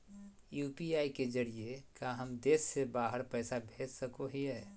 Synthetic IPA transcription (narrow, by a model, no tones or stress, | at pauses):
juːpiaːiked͡ʒəɾiekaɦəmd̪esːebaːɦəɾpəːsabʱed͡ʒsəkoɦiɛː